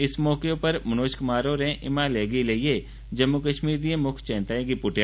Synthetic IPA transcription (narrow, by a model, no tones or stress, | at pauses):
ɪsmɔːkeõpɐɾmɐnoːʃkʊmaːɾoːɾẽʔɪmaleːɡileie | d͡ʒɐmːukəʃmiːɾd̪iẽmʊkʰt͡ʃɛ̃ːnt̪aːẽkipʊʈja